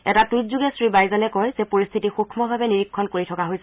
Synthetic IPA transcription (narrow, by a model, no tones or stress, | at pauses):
ɛtatutzuɡɛsɹibajzalɛkɔjzɛpoɹist̪ʰitixukʰmɔbʱabɛniɹikʰːɔnkoɹitʰɔkaɦojsɛ